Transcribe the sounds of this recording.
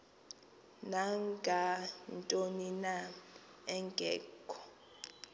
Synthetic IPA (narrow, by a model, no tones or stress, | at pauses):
naŋɡʱantʼonina | ɛŋɡʱɛ̰ːɡʰʱɔ